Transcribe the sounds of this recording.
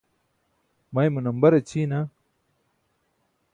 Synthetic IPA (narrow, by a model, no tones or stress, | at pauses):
mɐjmunɐmbɐɾɐt͡ɕʰiːna